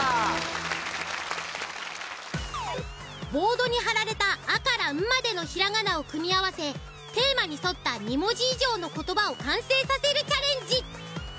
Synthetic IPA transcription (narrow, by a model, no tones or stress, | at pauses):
bo̞ːd̪o̞ɲ̟iɦaɾaɾe̞t̪aːkaɾaɯ̟mad̪e̞no̞çiɾaŋanao̞kɯ̟mʲiaβase̞ | t̪e̞ːmaɲ̟iso̞t̪ːaɲ̟imo̞ʑiːʑo̞ːno̞ko̞t̪o̞bao̞kãɰ̃se̞ːsase̞ɾɯ̟t͡ɕaɾẽ̞ɲ̟d͡ʑi